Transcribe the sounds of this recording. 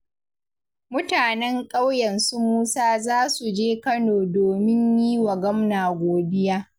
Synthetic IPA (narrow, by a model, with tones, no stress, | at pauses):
mʊ˦taː˨nɛ˦ŋkʼa˦wjɐ˨nsu˦muː˦saː˦zaː˦su˨d͡ʒeː˦kɐ˦noː˨doː˨mɪ˦ɲjiː˦wa˨ɡɐ˦mnaː˨ɡʷoː˨dɪ˦jaː˦